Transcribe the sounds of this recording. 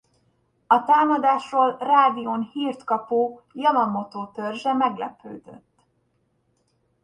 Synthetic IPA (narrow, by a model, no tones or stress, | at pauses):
ɒt̪aːmɒd̪aːʃroːlraːd̪ijonhiːrt̪kɒpuːjɒlɒmːo̞t̪oːt̪ørʒɛmɛɡlɛ̰pø̰ːd̪ø̰t̪ː